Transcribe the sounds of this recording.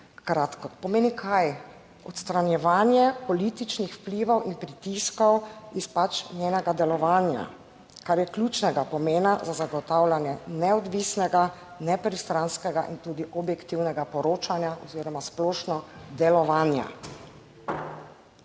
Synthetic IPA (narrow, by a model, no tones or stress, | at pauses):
kɾaːt̪kɔpɔmeːnikʰaj | ɔt̪st̪ɾanjɛʋaːnjɛpɔlit̪it͡ʃnixwpliʋɔwʔinpɾit̪iskɔwispat͡ʃnʲjeːnɛɡad̪ɛlɔʋaːnja̰ | kaɾjɛklʲjut͡ʃnɛɡapɔmeːnazazaɡɔt̪aːwlanjɛnɛɔd̪ʋisnɛɡa | nɛpɾist̪ɾanskɛɡa̰ʔḭnt̪uːd̪iʔɔbjɛkt̪iwnɛɡapɔɾoːt͡ʃanjaʔɔziːɾɔmasplɔːʃnɔd̪ɛlɔʋaːnja̰